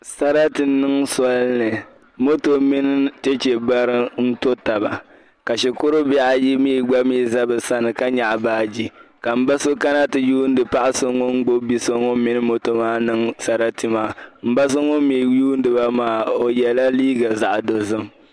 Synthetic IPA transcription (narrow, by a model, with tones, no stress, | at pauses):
sa˨ɾa˦tɨ˨nɨ˦ŋsɔ˦lnɨ˨ | mo˦to˨mi˦nɨ˦te˦t͡ʃe˨ba˦ɾɨ˦n̩˦to˦ta˨ba̰˨ | ka˨ʃɪ˨kʊ˦ɾʊ˦bɛ˦ʔa˦ji˦miː˦˨ɡ͡ba˦miː˦˨za˦bɨ˨sa˦nɨ˨ka˦ɲa˨ʔbaː˦d͡ʒi˦ka˨m̩˦ba˦so˦ka˦na˦tɨ˨juː˦n̩˦dɨ˨pa˦ʔa˦so˦ŋo˦n̩˦ɡ͡bo˦bi˦so˦ŋo˦mi˦nɨ˦mo˦to˨maː˦nɨ˦ŋsa˨ɾa˦ti˦maː˦m̩˦ba˦s̬o˦ŋo˦miː˨juː˦n˦dɨ˨ba˦maː˦o˨jɛ˨la˦liː˦ɡa˨za˦˨ʔdo˨zɨ˦m˨